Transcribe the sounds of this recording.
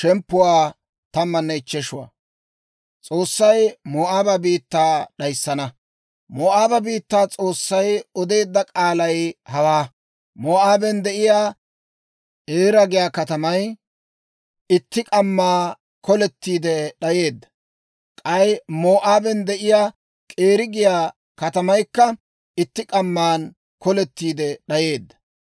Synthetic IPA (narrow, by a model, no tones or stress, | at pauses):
ʃɛmpːʊwaː | t̪ɐmːɐnːɛɪt͡ʃːɛʃʊwa̰ː | t͡sʼo̞ːsːɐjmoːʔaːbɐbiːt̪ːaːɗɐjsːɐnɐ | moːʔaːbɐbiːt̪ːaːt͡sʼo̞ːsːɐjɔd̪e̞ːd̪ːɐkʼaːlɐjhɐwaː | moːʔaːbɛnd̪ɛʔɪjaː | ʔeːɾɐɡɪjaːkɐt̪ɐmɐj | ɪt̪ːɪkʼɐmːaː | kɔlɛt̪ːiːd̪ɛɗɐje̞ːd̪ːɐ̥ | kʼɐjmoːʔaːbɛnd̪ɛʔɪjaː | kʼeːɾɪɡɪjaː | kɐt̪ɐmɐjkːɐ | ɪt̪ːɪkʼɐmːaːn | kɔlɛt̪ːiːd̪ɛɗɐje̞ːd̪ːɐ̥